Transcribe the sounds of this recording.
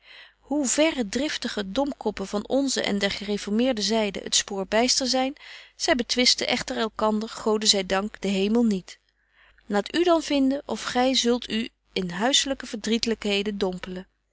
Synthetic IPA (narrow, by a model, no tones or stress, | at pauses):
ɦuvɛrədrɪftəχədɔmkɔpəvɑnɔnzə̰ʔɛ̰ndɛɹχərefɔɹmɪːɹdəzɛjdə̰ə̰tspoːɹbɛjstəzɛjnz̥ɛjbətʋɪstəʔɛχtəɹɛlˠkɑndəɹχowdəzɛjdɑŋkd̥əɦejməlˠnit | laːtydɑnv̥ɪndəʔɔfχɛjzɵlˠtʰy | ɪnɦœɥsələkəv̥əɹdritələkɦejdəndɔmpələ